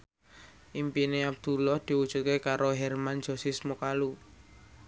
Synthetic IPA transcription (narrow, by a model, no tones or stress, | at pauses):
ʔimpineab̚d̪̥ṳlɔhd̪̥i̤wud̥ʒ̥ṳt̪̚kekaɾʔoɦɛrman̥d͡ʒ̥o̤sismukalu